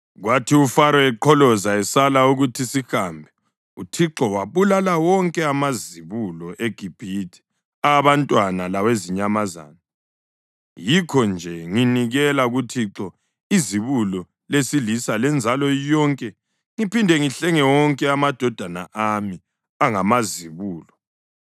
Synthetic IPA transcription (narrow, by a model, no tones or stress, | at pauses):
ɣwatʰiufaɾɔɛǃʰɔlɔzaɛsalauɣutʰisihambʱɛ | utʰiǁɔwaβulalawɔŋkʼɛamaziβulɔʔeɡ̥ʱib̥ʱitʰi̥ | aβantʼwanalaweziɲamaza̰ːna | jikʰɔnd͡ʒʱɛŋiniɣɛlaɣutʰiǁɔ | iziβulɔ | lesilisalɛnd͡zʱalɔijɔŋkʼɛ | ŋipindʱɛŋiɬɛŋɛwɔŋkʼɛamad̥ʱɔd̥ʱana̰ʔami | aŋamaziβuːlɔ